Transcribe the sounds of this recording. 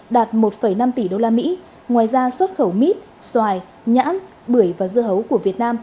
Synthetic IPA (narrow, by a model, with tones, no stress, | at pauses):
ɗaː˨˩t̚mo˨˩t̚fə˧˩jna˧mt̪i˧˩ɗo˧laː˧mḭ˧˥ | ŋwaː˨˩jzaː˧swə˦˥t̚xə˧˩wmi˦˥t̚ | swaː˨˩j | ɲa̰ː˧˥n | ɓɨ˧˩əjvaː˨˩zɨ˧əɦə˨˦wku˧˩əvi˨˩ət̚naː˧m